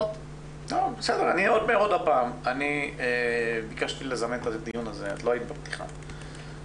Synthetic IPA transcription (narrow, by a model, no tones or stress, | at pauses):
nobesed̪eʁanieo̞d̪̚meːʁodapaːmaniebikaʃt̪ilezament̪azed̪ijunazea̰t̪lo̞ait̪ibept̪i̥χa̰